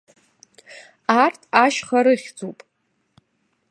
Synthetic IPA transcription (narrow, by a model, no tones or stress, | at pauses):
artʰaʃχaɾɨχʲd͡zupʼ